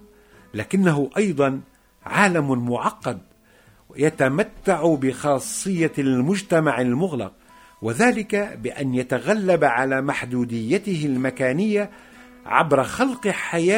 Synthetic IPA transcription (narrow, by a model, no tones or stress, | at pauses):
laːkɪnːaɦʊʔɑjd̪ˤɑn | ʕaːlammʊʕɑqːɑd̪̚ | jat̪amat̪ːaʕʊbɪxɑːsˤːɨjːalmʊd͡ʒt̪amaʕalmʊɣlɑ̰q̚ | waðaːlɪkabɪʔa̰njat̪aɣalːabʕalaːmaħd̪uːd̪ɪjːat̪ɪɦɪlmakaːnɪjːa | ʕa̰bɾˤɑxɑlqħajaː